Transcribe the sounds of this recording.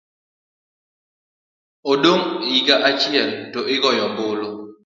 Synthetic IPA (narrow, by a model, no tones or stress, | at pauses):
odoŋiɡaʔat͡ʃɪɛltɔʔɪɡɔjɔbʊlo